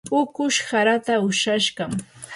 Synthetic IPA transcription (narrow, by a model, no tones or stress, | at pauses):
pʼʊkʊʃhaɾat̪aʊʃaʃɢɑm